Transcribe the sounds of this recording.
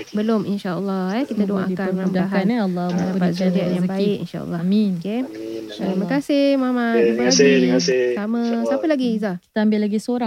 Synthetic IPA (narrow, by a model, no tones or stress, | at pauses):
bəlominʃaəlːɑɛkit̪adoʔa̰kalamaaɦaanlːdapat̪̚sad͡ʒaʔjabaɪʔḭnʃa̰ə̰lːɔmioke | t̪imakasɪhmamaɾimaasisaməsapəlaɡiizaki̥t̪aambɪlːaɡisoɾaŋ